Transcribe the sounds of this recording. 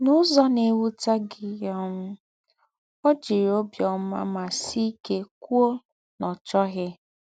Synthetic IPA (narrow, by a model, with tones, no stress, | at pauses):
nʊ˦zɔ˦ne˨wu˦ta˦ɡɪ˨jɔ˦m̩˦ | ɔ˦d͡ʒi˨ɾo˦bjɔ˨˦ma̰˦ma˨si˦ke˦kʷu˦o˦ | nɔ˨t͡ʃɔ˦ɣɪ˦